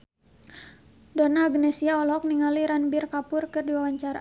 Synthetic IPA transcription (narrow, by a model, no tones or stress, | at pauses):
donaːɡnɛsiaɔlɔk̚niŋaliɾanbɪrkapʊrkɨrdiwawaɲt͡ʃaɾa̰